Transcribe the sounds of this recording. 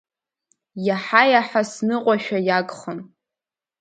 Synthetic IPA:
jaħajaħasnɨqʷʼaʃᶣajakʼχən

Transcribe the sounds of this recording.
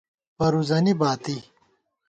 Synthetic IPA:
pɐɾuzɐnibaːt̪i

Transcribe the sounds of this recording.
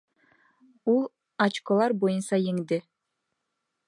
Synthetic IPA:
ulˠ | ɑt͡ʃkolˠɑɾbojɯnsɑjeŋd̪ɪ

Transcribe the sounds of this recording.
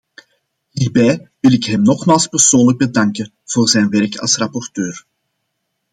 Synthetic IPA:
ɦiːrbɛjʋɪlɪkɦɛmnɔχmaːlˠspərsoːnləɡ̚bədɑŋkə | v̥oːrzɛːnʋɛrkɑ̰lˠsrɑpɔrtøːr

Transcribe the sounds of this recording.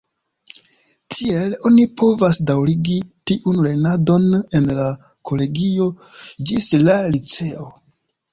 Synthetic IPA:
tʰie̞lo̞nipʰo̞vasdawɾiɡitiʔunle̞nado̞ne̞nla | kʰo̞le̞ɡio̞ | d͡ʒislalit͡se̞o̞

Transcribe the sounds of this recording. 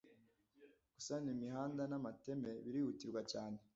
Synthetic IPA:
ɡ̥u̥sanimiɦaːndanamate̞me̞βiɾihutiɾɡwacaːne

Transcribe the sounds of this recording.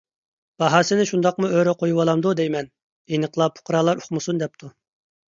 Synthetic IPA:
b̥ɑɦɑsɨnɪʃund̪ɑqmuøɾɛqʰojuwɑlˠɑmd̪ud̪ɛjmɛn | enəqlˠɑpʰʊ̥qʰɾɑːlˠɑɾoχmɨsund̪ɛp̚t̪ʰu

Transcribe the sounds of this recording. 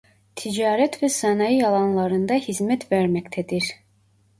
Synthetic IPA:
t̪ʰid͡ʒɑːɾɛt̪vɛsɑnɑjijɑlˠɑnlˠɑɾɯnd̪ɑhizmɛt̪væɾmɛct̪ʰɛd̪iɾ

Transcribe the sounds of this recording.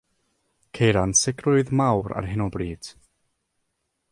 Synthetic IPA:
kʰejɾansɪɡrʊɨðmawɾa̰rɦɪnɔbriːd̥

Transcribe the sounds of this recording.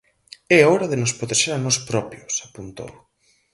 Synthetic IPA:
ɛɔɾɐðenospɾot̪eʃeɾanɔspɾɔpjosapunt̪o̰w

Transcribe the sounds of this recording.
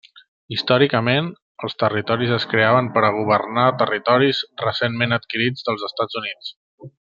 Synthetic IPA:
ist̪ɔɾikəmen | əlˠst̪ərit̪ɔɾizəskɾeaβəmpəɾəɣ̞uβ̞ərnat̪ərit̪ɔɾizrəsenmenət̪kiɾid͡zðəlˠzəst̪ad͡zunit͡s

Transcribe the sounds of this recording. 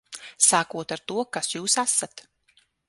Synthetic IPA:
saːkuɔt̪aɾt̪uɔkasjuːsasat̪

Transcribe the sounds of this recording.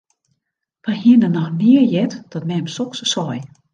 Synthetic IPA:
ʋaɦiənənɔxnɪəjɛtd̥ɔtmɛmsoksəsɔj

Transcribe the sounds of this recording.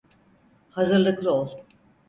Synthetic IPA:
hazɯɾlˠɯklˠɯolˠ

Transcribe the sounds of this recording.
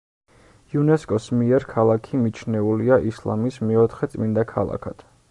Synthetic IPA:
iunɛskʼɔsmiɛɾkʰalˠakʰimit͡ʃʰnɛuliaʔislˠa̰mismɛɔt̪ʰχɛt̪sʼmind̪akʰalˠa̰kʰad̪̥

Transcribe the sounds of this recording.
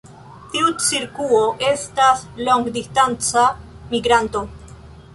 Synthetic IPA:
t̪iut͡siɾkuoʔest̪asloŋɡd̪ist̪ant͡sa | miɡɾant̪o

